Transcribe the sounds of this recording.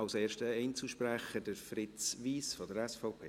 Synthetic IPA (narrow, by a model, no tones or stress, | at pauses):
ɑʊseːʃtəɛɪnt͡suʃpræχəd̥əɾfrɪt͡sʋiːsfɔdəɾɛsfɔʊpʰḛː